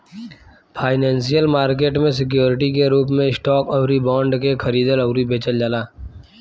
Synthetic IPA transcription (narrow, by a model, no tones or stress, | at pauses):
pʰaːɪnɛ̃ːnsijəlmaːɾk̬eːʈmẽs̬ɪk̬joːɾɪʈikeɾuːp̬mẽɪsʈɔːkɐwɾibɔ̃ːɳɖkekʰɐɾiːd̪əlɐwɾibeːt͡ʃəld͡ʒaːlaː